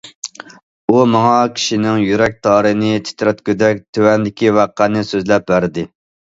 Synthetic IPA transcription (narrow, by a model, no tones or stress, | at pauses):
umɑŋɑkʲʰi̥ʃinɪŋjyɾɛk̚ʲt̪ʰɑːɾɨnɪt̪ʰɪ̥t̪ʰɾɛt̪kʲød̪ɛk̚ʲt̪ʰøwɛnd̪ɪkʲiwæqːænɨsøzlɛp̚bæɾd̪ɪ